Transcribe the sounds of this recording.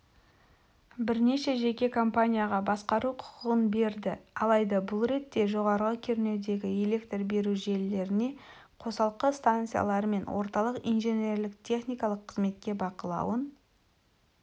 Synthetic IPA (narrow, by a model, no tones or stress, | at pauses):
bɪɾne̞ʃe̞ʒe̞kʲe̞kʰo̞mpanʲijaʁɑbɑsqɑɾuqʰʊ̥qʊʁənbe̞ɾd̪ɪɑlˠɑjd̪ɑbʊlˠɾe̞t̪ːe̞ʒo̞ʁɑɾəʁəkʲʰeɾɪne̞d̪e̞ɡʲɪele̞kt̪rbe̞ɾuʒe̞lːe̞ɾɪne̞ | qʰo̞sɑlˠqəst̪ant̪sɨja̰lˠɑɾəme̞nwʔo̞̰ɾt̪ɑlˠəqijnʒe̞nʲerlɪkt̪ʲʰe̞χnijkɑlˠəqʰːəzme̞t̪̚kʲe̞bɑqəlˠɑ̰wən